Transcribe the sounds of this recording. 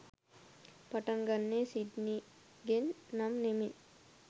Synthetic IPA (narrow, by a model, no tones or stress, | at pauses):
pɐʈɐŋɡɐnːesid̪ni | ɡenːɐmnemit